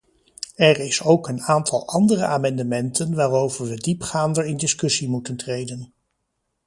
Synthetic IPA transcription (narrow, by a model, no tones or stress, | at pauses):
ɛɹɪsowkənaːntʰɑ̰lˠɑndərəʔaːmɑndəmɛntʰənʋaːrowvəɹʋədipχaːndəɹɪndɪskɵsimutəntrejdən